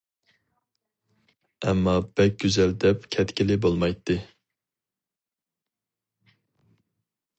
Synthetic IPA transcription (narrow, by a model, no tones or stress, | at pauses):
ɛmːɑb̥ɛk̚ʲɡ̥ʲyzɛld̪ɛpkʲʰɛt̪kʲilɪbolˠmɑjt̪ʰːɨ